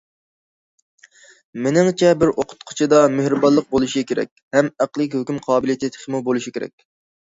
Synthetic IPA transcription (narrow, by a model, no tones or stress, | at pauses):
menɪŋt͡ʃʰɛbɪɾʔoqʰʊ̥t̪̚qʰʊ̥t͡ʃʰid̪ɑmøhɾɪbɑlˠːəq̚bolˠuʃikʲʰeɾɛ̰kʲhɛmæqlˠɨk̬ʲhøkʲymqʰɑːbɨlˠijt̪ʰɪt̪ʰχʰmubolˠuʃikʲeɾɛ̰k̚ʲ